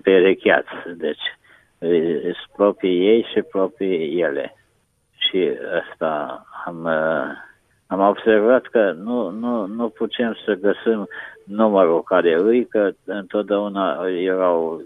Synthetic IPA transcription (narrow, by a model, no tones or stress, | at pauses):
peɾikʲa̰t̪sʲd̪e̞t͡ʃʲ | spɾopɾije̞jʃipɾopɾijelḛ | ʃiast̪aam | amo̞bservat̪kənununuput̪e̞msəɡəsɨmnuməɾukaɾeɨjkəɨnt̪ot̪̚d̪eaunajeɾaw